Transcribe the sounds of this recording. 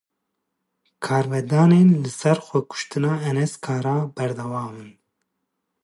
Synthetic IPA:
kʰɑːɾvɛd̪ɑːneːnlɨsɛɾxʷɛkʰʊ̥ʃt̪ɨnɑːɛnɛskʰɑːɾɑːbɛɾd̪ɛwɑːmɨn

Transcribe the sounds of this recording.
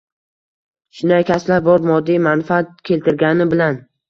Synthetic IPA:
ʃʊnd̪ajkʲʰaslaɾbɒɾmɒd̪ːijmanfaat̪̚kʲʰe̞lt̪ʰɪɾɡʲanɪbɪlan

